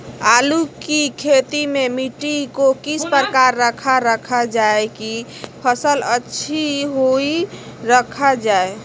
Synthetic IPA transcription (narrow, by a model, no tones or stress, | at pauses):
alukikʰet̪imemiʈikokispəɾkaɾːəkʰaɾːəkʰad͡ʒaeki | pʰəsələtːʃʰiɦoiɾəkʰad͡ʒae